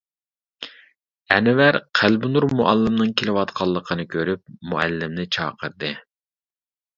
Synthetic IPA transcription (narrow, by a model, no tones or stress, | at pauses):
ɛnwæɾqʰælbunuɾmuʔælːɪmnɨŋkʲʰelɪwɑt̪qʰɑlˠːəqʰənɨkʲʰøɾyp̚muælːɪmnɪt͡ʃʰɑ̰ːqʰəɾd̪ɨ